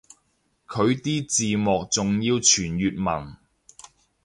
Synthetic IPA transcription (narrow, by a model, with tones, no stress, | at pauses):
kʰɵ˨˧ɥt̪iː˥t͡siː˨mɔː˨k̚t͡sʊ˨ŋjiː˧wt͡ʃʰyː˨˩njyː˨t̚mɐ˨˩n